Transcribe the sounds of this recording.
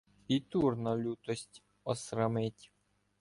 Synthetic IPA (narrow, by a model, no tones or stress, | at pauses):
it̪urnɔlʲut̪ɔsʲtʲ | ɔsɾɐmɪtʲ